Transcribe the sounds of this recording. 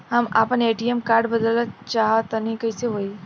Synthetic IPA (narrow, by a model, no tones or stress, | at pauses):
həma̰pəneʈiemkaɾɖbəd̪ələt͡ʃaɦət̪ənikəɪseɦoi